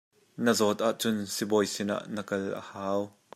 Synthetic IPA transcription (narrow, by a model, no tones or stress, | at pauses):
nəzɔt̪ʔaʔt͡sʊnsibɔjsina̰ʔnəkɐlʔə̰haːw